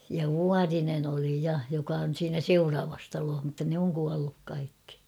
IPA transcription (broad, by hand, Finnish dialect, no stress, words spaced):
jɑ ʋuɑrinen oli jɑ jokɑ on̞ siːnæ seurɑːʋɑs tɑloːh mutːɑ nĕ oŋ kuɑlːuk kɑikːi